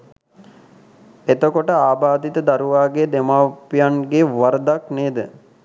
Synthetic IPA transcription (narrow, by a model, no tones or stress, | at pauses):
et̪okoʈəaːbaːd̪it̪əd̪aɾuʋaːɡed̪emaːpijanɡeʋaɾəd̪akneːd̪ə